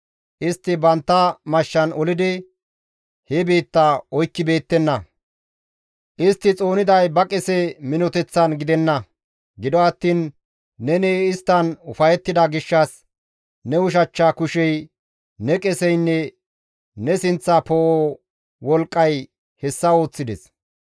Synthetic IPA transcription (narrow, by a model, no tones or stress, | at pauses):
ʔɪst̪ːɪbɐnt̪ːɐmɐʃːɐnɔlɪd̪ɪ | hɛbe̞ːt̪ːaɔjkːɪbe̞ːt̪ːɛnːɐ | ʔɪst̪ːɪt͡sʼo̞ːnɪd̪ɐjbɐkʼɛsɛmɪnɔt̪ɛt͡sːɐnɡɪd̪ɛnːɐ | ɡɪd̪ɔɐt̪ːiːnː | ɛneɪst̪ːɐnʊfɐjɛt̪ːɪd̪ɐɡɪʃːɐs | nɛʊʃ̬ɐt͡ʃːaːkʊʃɛj | nɛkʼɛsɛjnːɛ | nɛsɪnt͡sːɐpoo | wɔlkʼːɐj | hɛsːɐo̞ːt͡sːɪd̪ɛs